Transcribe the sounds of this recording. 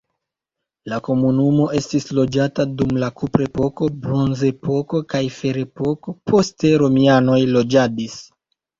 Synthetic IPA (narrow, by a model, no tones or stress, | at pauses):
lako̞munumo̞ʔe̞stislo̞d͡ʒatadumlakupɾe̞po̞ko̞bɾo̞nze̞po̞ko̞kajfe̞ɾe̞po̞ko̞pʰo̞ste̞ɾo̞miano̞jlo̞d͡ʒadis